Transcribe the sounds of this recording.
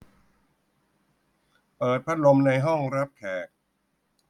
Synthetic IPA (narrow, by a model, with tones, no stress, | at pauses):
pɤː˨˩t̪̚pʰa˦˥t̪̚lo˧mna˧jɦɔ˥˩ŋɾa˦˥p̚k̪ʰɛː˨˩k̚